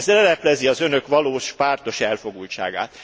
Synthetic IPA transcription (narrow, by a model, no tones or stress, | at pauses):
zlɛlɛplɛziɒzønø̞kʋɒloːʃpaːrt̪o̞ʃɛlfo̞ɡult͡ʃa̰ːɡa̰ːt̪